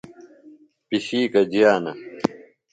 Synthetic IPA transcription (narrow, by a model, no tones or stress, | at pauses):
piɕiːkɐd͡ʑijaːnɐ